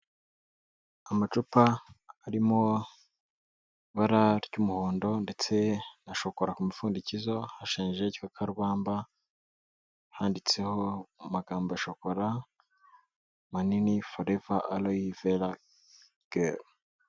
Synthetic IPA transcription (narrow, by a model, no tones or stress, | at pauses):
amat͡ʃupaːɾimo | βaɾaɾɟumuhoːndo̞nde̞t͡se̞naʃo̞ko̞ɾakumifuːndicizo̞haʃiːnʒe̞ɟi̥kakʰaɾβaːmba | haːndit͡seho̞maɡaːmboaʃo̞ko̞ɾa | maninifoɾevaʔaloivela | ɡ̥e